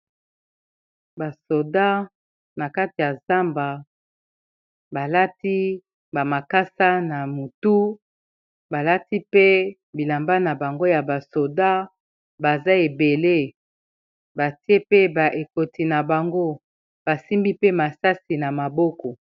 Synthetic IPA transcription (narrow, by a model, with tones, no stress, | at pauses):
ba˨so˨da˦ | na˨ka˦ti˨ja˨za˦mba˨ | ba˨la˦ti˦ | ba˨ma˨ka˦sa˦na˨mu˨tu˦ | ba˨la˦ti˦pe˦ | bi˨la˨mba˦na˨ba˨ŋɡo˦ja˨ba˨so˨da˦ | ba˨za˦e˨be˨le˦ | ba˨ti˦e˦pe˦ba˨ʔe˨ko˨ti˨na˨ba˨ŋɡo˦ | b̥a˨si˦mbi˦pe˦ma˨sa˦si˨na˨ma˨bɔ˦kɔ˨